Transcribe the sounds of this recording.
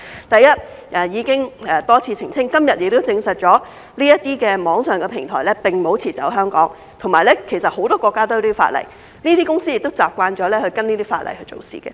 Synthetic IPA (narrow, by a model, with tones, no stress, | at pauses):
t̪ɐ˨jjɐ˥t̚ | ʔɛː˨˩jiː˨˧kɪ˥ŋɛː˨˩t̪ɔː˥t͡sʰiː˧t͡sʰɪ˨˩ŋt͡sʰɪ˥ŋkɐ˥mjɐ˨t̚jɪ˨k̚t̪o˥wt͡sɪ˧ŋsɐ˨t̚t͡ʃɔː˨˥ | liː˥jɐ˥t̪iː˥kɛː˧mɔː˨˥ŋsœː˨˩ŋkɛ˧pʰɪ˨˩ŋt̪ʰɔ̰ː˨˩jlɛ˥pɪ˨˩ŋmo˨˥wt͡sʰiː˨˩t͡sɐ̰˨˥wɦœː˥ŋkɔ̰ː˨˥ŋ | t̪ʰŋmaː˨jlɛ˥kʰe˨˩jsɐ˨t̚ho˨˥wt̪ɔː˥kʷɔː˧kːaː˥t̪o˥jiː˥˧˩fa̰ː˧t̚lɐ̰˨˩j | niː˥t̪iː˥kʊ˥ŋsiː˥jɪ˨k̚t̪o˥wt͡saː˨p̚kʷaː˧nt͡ʃɔː˨˥lɛː˥hɵ˧ɥkɐ˥niː˥t̪iː˥fa̰ː˧t̚lɐ̰˨˩jhɵ˧ɥt͡so̰˨wsḭː˨˩kɛ̰ː˧